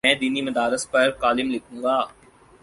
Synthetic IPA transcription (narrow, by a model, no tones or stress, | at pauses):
ɛ̃ːd̪iːnimɐd̪aːɾɪspɐɾkaːlɪmlɪkʰũːɡaː